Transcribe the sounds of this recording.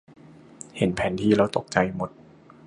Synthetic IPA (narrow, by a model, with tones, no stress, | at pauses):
he˨˩˦npʰɛː˨˩˦nt̪ʰiː˧ɾa˧wt̪o˨˩k̚t͡ɕa˧jmo˨˩t̪̚